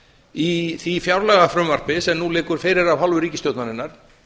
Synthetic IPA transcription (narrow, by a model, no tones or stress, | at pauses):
iθifjawɾlɛɣafɾʏːmar̥pɪsɛmnulɪːkʏɾ̥fɪːjɾɪɾavhalvʏɾiːcɪst̪jowt̪nanɪnːaɾ̥